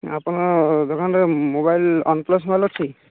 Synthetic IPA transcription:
apɔnad̪okʰanɾɛmobajlɔ̰nplɔs̬mobajlɔt͡ʃʰi

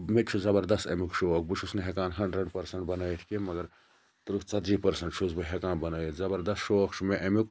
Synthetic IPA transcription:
met͡ʃʰuzɐbɐɾd̪ɐst̪ɐmukʃʰook̚but͡ʃʰusniɦekaːnɦɐɳɖɾɐɽpɐɾsɐɳʈbɐnəjit̪ʰkemɐɡɐɾ | t̪uɾukt͡sɐt̪d͡ʒipɐɾsɐɳʈt͡ʃʰusbɨɦekaːnbɐnəjit̪ʰzɐbɐɾd̪ɐst̪ʃokt͡ʃʰumeʔɐmuk

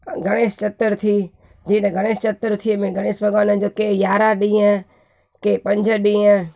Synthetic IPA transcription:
ɡʱəɽ̃eːst͡ʃət̪ːəɾt̪ʰiː | d͡ʒĩːt̪eɡʱəɽ̃eːst͡ʃət̪ːəɾt̪ʰimẽːɡʱəɽ̃eːsbʱəɡaːnə̃d͡ʒoːkeːjaːɾaɗiãː | keːpə̃ɲd͡ʒʱəɗĩːãː

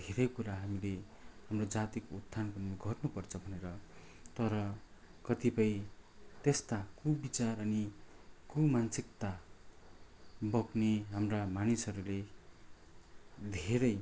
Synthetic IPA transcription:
d̪ʱeɾʌjkuɾaɦamile | ɦamrod͡zat̪ikout̪ʰːanpʌniɡʱʌʈnupʌrt͡sʰʌbʱʌneɾʌ | t̪ʌɾʌkʌt̪ipʌj̃t̪est̪akubit͡sarʌnikumansikt̪a | bʌkneɦamramanisʌɾule | d̪ʱeɾʌj

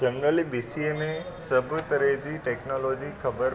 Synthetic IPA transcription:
d͡ʒənɾəlibisieme | səbʱt̪əɾed͡ʒiʈeknolod͡ʒikʰəbəɾ

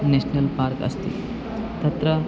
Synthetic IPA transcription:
neɕnəlpaɾkə̰st̪ḭ | t̪ɐt̪ɾə

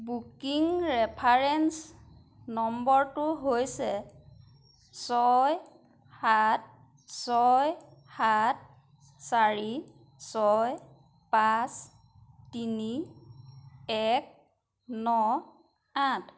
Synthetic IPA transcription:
bukiŋɹɛpʰaɹɛns | nɔmbɔɹtʊɦojsɛ | sɔj | hat̚ | sɔjhat̚ | saɹi | sɔj | pas | tini | ɛk̚ | nɔ | at

